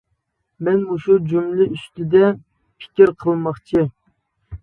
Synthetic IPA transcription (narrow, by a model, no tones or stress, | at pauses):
mɛnuʃud͡ʒumlɪyst̪ɪd̪ɛ | pʰɪ̥kʲiɾqʰəlˠmɑχt͡ʃʰi